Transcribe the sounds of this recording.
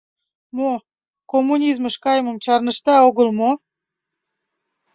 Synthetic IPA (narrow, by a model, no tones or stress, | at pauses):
mo | komːunʲizməʃkɑjəmə̆mt͡ɕɑrnə̆ʃt̪ɑoɣə̆lˠmo